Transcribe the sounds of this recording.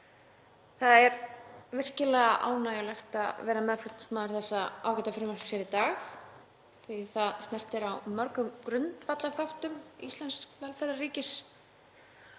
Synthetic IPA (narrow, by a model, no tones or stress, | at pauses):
θaðɛɾvɪr̥cɪlɛɣaʔa̰ːwnaːjalɛxt̪a̰ðvɛːɾamɛðfɾʏt̪nsmaːðʏɾ̥θɛsːaaːwkɛt̪afɪɾɪmaɾsjɛɾit̪aːx | θɪθaðst̪nɛr̥t̪ɪɾawmœɾkʏmkɾʏnt̪fat̪lafawht̪ʏmḭst̪lɛnskvɛlfɛɾariːcɪs